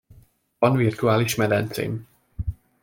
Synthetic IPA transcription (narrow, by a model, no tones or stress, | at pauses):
vɒnvirt̪uaːliʃmɛd̪ɛnt̪sḛːm